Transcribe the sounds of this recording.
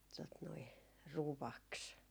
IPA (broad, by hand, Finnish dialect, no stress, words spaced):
tot noi ruʋɑks